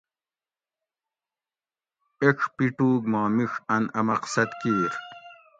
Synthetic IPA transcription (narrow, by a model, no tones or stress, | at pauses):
eʈ͡ʂʰpiʈuːɡmaːmiʂɐnɐmɐqsɐt̪kiːɾ